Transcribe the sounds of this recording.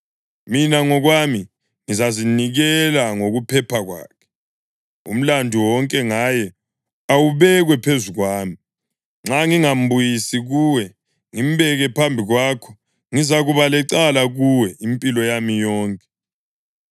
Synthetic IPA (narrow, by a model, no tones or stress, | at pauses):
minaŋɔɣwami | ŋizaziniɣɛlaŋoɣupʰɛpʰaɣwa̰ːkʰɛ̥ | ṵm̩landʱuwɔŋkʼɛŋajɛ | awuβɛɣwɛpʰezuɣwaːmi | ŋ͡ǁaŋiŋam̩bujisiɣuːwɛ | ŋim̩bɛɣɛpʰambʱiɣwaːkʰɔ̥ | ŋizaɣuβalɛǀalaɣuwɛimpʼilɔjamijɔːŋkʼɛ̥